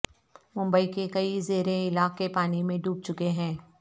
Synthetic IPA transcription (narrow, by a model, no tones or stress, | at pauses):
mʊ̃mbəikekɐizeːɾeɪlaːkkːepaːnimẽɖʱuːb̚t͡ʃʊkeɦɛ̃ː